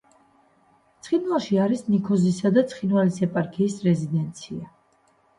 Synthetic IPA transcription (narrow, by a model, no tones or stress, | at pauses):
t̪sʰχinwalˠʃiaɾisnikʰɔzisad̪at̪sʰχinvalisɛpʼaɾkʰiːsɾɛzid̪ɛnt̪sʰia